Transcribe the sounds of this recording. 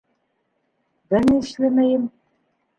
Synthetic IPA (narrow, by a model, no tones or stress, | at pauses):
bɘnɘɘ̆ʃlæmæjɘm